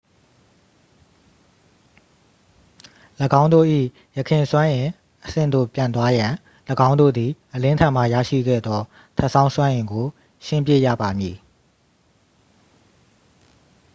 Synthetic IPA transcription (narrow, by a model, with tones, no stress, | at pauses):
ləɡã˦ʊ̃ndo̰˦˨ʔḭ˦˨ | jəkʰɪ̃˨swã˦ʔɪ̃˨ | ʔəsɪ̰̃˦˨nd̪o̰˦˨pjã˨nt̪̬wa˦jã˨ | ləɡã˦ʊ̃ndo̰˦˨d̪ði˨ʔəlɪ̃˦ntʰã˨m̥a˦˨jä̰˦˨ʃḭ˦˨ɡɛ̰˦˨d̪ðɔ˦ | tʰɛ˦ʔsã˦ʊ̃swã˦ʔɪ̃˨ŋɡo˨ | ʃɪ̃˦˨mp̬jḛ˦˨jä̰˦˨ba˨mji˨